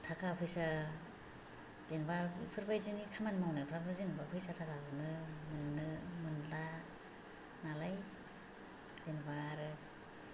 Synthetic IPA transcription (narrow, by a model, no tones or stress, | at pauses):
tʰakʰapʰɯjsa | denbapʰɯɾbajzinikʰamanmawnajpʰɾabazinbapʰɯjsatʰakʰabɯnɯmɯnnːɯmɯnla | nalaj | d̥enbaːɾɯ